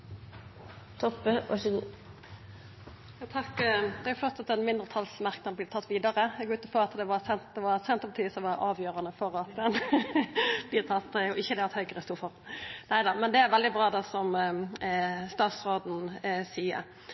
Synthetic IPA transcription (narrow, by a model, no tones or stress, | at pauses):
t̪ʰɔpːəʋɑ̰ʂəɡuː | jɑːt̪ʰɑkd̪ɛɑɾjʊfɔʁt̪sɑt̪ːɛnmɪnd̪ʁət̪ʰɑlsmæʁknɑblɪːt̪ʰɑt̪ːʋiːd̪ɑɾəɛɡoʉːt̪əfɔʁɑt̪d̪ɛʋɑsɛnt̪d̪ɛʋɑsɛnt̪əbɑt̪ʰiːsɔʋɑɾʔɑːʋjøːɾɑnəfɔɾɑt̪d̪ɛn | b̥lɪːɾt̪ʰɑt̪ːd̪æjʊɪçːəd̪ɛɑt̪hœʏɡəɾəst̪uːfɔʁnæɪd̪ɑmɛnd̪ɛæɾʋɛld̪ɪbɾɑːd̪ɑsɔm | st̪ɑːt̪sʁoːd̪n̩siːə̰ɾ